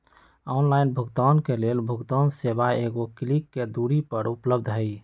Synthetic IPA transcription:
ɔnlainbʱuɡt̪ankelelbʱuɡt̪ɔnsebaeɡoklikːed̪uɾipəɾupləb̚d̪ʱɦəj

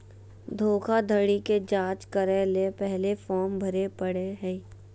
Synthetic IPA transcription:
d̪ʱoːkʰad̪ʱəɽiked͡ʒãːt͡ʃkəɾeːlepɛɦlefɔːmbʱɐɾepəɽeɦɛ̃

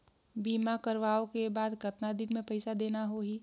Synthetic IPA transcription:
biːmakəɾʋaːokebaːd̪kət̪nad̪ɪnmẽpɐɪsad̪eːnaɦoɦiː

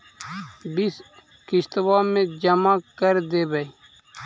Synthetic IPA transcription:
bis | kɪst̪ʋaːmẽd͡ʒəmakəɾd̪eːbə

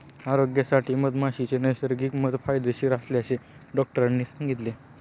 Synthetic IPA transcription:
aɾoɡjəsaʈʰiːməd̪maɕit͡senəjsəɾɡiːkməd̪fajd̪əɕiːɾasleəseɖɔk̚ʈəɾanːiːsãŋɡit̪le

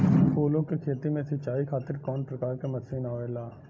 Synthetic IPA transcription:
pʰuːlõkekʰeːt̪imẽsɐt͡ʃaːikʰaːt̪ɪɾkɔːnpɾɐkaːɾkemɐsiːnaːelaː

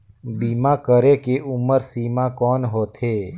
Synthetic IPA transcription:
biːmakəɾekeʔʊməɾsiːmakɔːnɦoːt̪eː

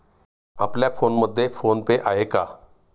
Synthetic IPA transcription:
ə̰pljapʰoːnmʊd̪ʱːepʰoːnpeʔaːɦeːkaː

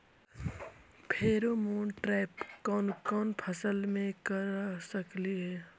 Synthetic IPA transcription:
pʰeːɾomoːnʈɾɛːpkɔːnkɔːnpʰəsəlmẽkəɾsəkliɦɛː

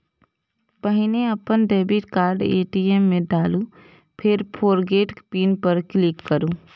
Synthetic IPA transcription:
bəɦɪneɐpənɖeːbɪʈkaːɾɖḛːʈiːeːmːẽɖaːlũ | pʰɪɾpʰoːɾɡeːʈpiːnpɐɾklɪkːəɾũː

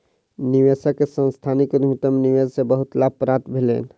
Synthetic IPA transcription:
niʋesəkːesə̃nst̪ʰanikd̪mut̪əmniʋed͡ʒsebəɦut̪lapɾat̪bʱelḛn

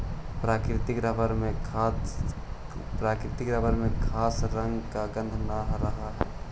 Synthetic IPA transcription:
pɾaːkɾɪt̪ɪkɾəbəɾmẽ | pɾaːkɾɪt̪ɪkɾəbəɾmẽkʰaːsɾə̃ŋɡkaɡə̃nd̪ʱnaɦɾəɦaɦɛ̰ː

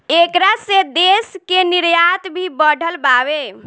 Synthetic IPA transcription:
ekɾased̪eskeniɾjat̪bʱibəɽʱəlbabe

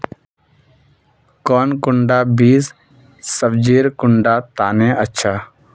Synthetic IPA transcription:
kɔːnkʊɳɖaːbiːs | səbd͡ʒiːɾkʊɳɖaːt̪aːnẽːətːʃʰaː

